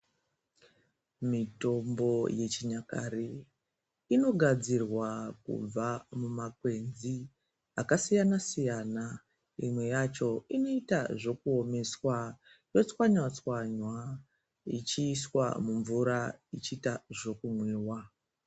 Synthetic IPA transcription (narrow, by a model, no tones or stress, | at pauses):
mito̞mbo̞je̞t͡ʃiɲakaɾe | ino̞ɡʱad͡zirwakṵb͡vamumak̚we̞nzi | akasijanasijana | imwe̞jat͡ʃo̞ino̞itaʐo̞kuo̞me̞swa | jo̞t͡swaɲwat͡swaɲwa | ḭt͡ʃiːswa̰muɱvuɾait͡ʃiːtaʐo̞kumweːwa